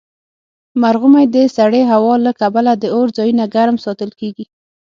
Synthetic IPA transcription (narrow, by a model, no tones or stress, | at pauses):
maɾɣʊmajd̪əsaɽeɦawɑlakabalad̪əoɾd͡zɑjunaɡaɾmsɑt̪əlkeɡi